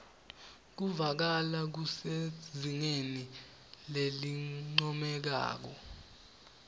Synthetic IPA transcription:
k̬uvak̬alak̬useziŋeni | leliŋ͡ǀɔmɛk̬a̰ːk̬ɔ

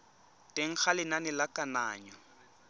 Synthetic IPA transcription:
tʼeŋ̩k͡xʰalɪnanɪlakʼanaːɲɔ

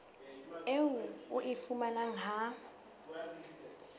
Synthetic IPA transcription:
ewuuʔifumanaŋa

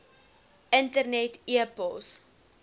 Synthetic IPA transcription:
ʔəntərnɛtiəpəlˠs

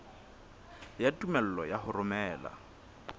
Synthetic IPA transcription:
jatʼumɛl̩lɔjaɦʊrʊmɛːla̰

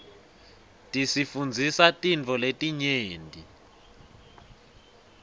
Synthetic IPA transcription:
tʼisifund͡zʱisatʼint͡fʰɔletʼiɲeːndʱʼi

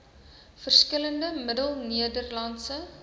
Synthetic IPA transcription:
fərskələndəmədəlˠniədərlɐnsə

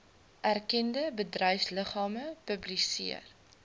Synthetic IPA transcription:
ʔærkɛndəbədrœjfsləχɑːməpəblisḭə̰r

